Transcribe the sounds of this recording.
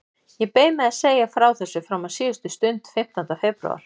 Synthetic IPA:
jɛpeːjmɛðaseːjafɾaːwθɛsːʏfɾawmasiːʏst̪ʏst̪ʏnt̪fɪm̥t̪ant̪afɛpɾṵa̰ɾ̥

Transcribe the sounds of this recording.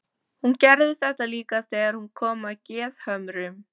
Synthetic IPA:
huncɛɾðɪθɛht̪aliːkaθɛːɣaɾ̥hunkʰɔːmacɛːðhœmɾɪm

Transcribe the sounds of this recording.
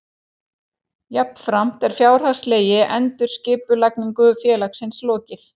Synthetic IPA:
jap̚n̥fɾam̥t̪ɛɾ̥fjaːwɾ̥hasleːjɪʔɛnt̪ʏɾ̥scɪːpʏlajkniŋkʏfjɛːlaksɪnslɔːcɪθ

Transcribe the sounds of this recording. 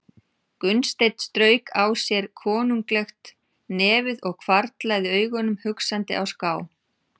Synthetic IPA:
kʏnst̪ejt̪st̪ɾœːɥkʰaːwsjɛɾ̥kʰɔːnuŋklɛxt̪ | nɛːvɪðɔɣkʰvaɾt̪lajðɪœːɥɣɔnʏmhʏksant̪ɪ̰ʔa̰wskaːw

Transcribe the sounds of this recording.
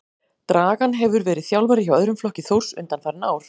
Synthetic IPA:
t̪ɾaːɣanɦɛvʏɾvɛːɾɪðθjawlvaɾɪçawœðɾʏmflɔhcɪθowr̥sʏ̰nt̪anfaɾnaːwɾ̥

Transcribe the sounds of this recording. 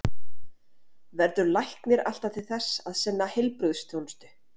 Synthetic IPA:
vɛɾtʏɾlajhknɪɾa̰l̥t̪at̪ʰɪlθɛsːaðsɛnːahejlpɾʏðst̪ʰjownst̪ʏ̥

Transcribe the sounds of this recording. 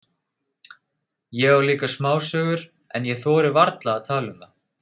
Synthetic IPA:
jɛɣawliːkasmaːwsœːɣʏɾ̥ | ɛnjɛθɔːɾɪvaɾt̪laːt̪ʰaːlʏma

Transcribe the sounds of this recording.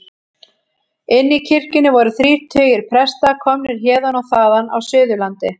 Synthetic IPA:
ɪnːicʰɪr̥cɪnɪvɔɾʏθɾiːr̥t̪ʰœːjɪɾ̥pʰɾɛst̪akʰɔmnɪɾ̥çɛːðanɔθaːðana̰wsʏːðʏlant̪ɪ

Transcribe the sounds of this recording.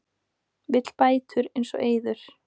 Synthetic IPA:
vɪt̪l̥paːjt̪ʰʏɾejnsɔ̰ɣʔeːjðʏɾ̥

